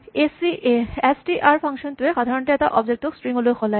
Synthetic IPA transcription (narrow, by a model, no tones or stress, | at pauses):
esiesʈiʔaɾfʰaŋkʃont̪ueʃad̪ʱaɾonʈiɛt̪aʔɔbd͡ʑek̚ʈ̪okspɾiŋɡuloxʰɔla